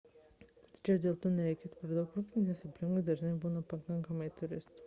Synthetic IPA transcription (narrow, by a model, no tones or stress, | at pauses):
t̪ʲt͡ʃʲɛd̪ʲeːlˠt̪uːnʲɛɾʲɛjkʲeːt̪pʲɛɾd̪ɐʊkɾʊpʲnʲinʲesʲɪpʲlʲɪŋɡʊd̪ɐʒʲnɐɪbuːnɐpɐkɐŋkɐmɐɪt̪ʰʊɾʲɪst̪